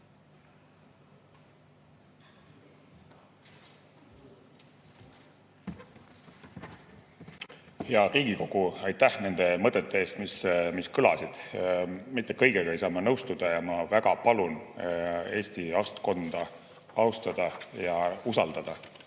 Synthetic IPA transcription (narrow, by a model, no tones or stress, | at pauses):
heɑriːɡiko̞ɡ̥uɑjt̪ːæhne̞nd̪̥e̞mɤt̪ːˑet̪ːˑe̞e̞ːst̪mismiskɯlɑsid̪̥ | mit̪ˑːekɤ̞jɡ̥eɡɑejsɑːmɑnɤwst̪ud̪̥ɑjɑmɑvæɡ̥ɑpɑlun | e̞ːst̪iɑst̪ko̞nd̪̥ɑ | ɑwst̪ɑd̪̥ɑjɑusɑld̪̥ɑd̪̥ɑ